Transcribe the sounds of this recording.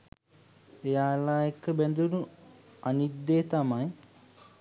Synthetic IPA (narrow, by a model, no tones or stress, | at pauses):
ejaːlaːjɐkːɨbend̪ʱunuɐnid̪eːt̪ɐmaːj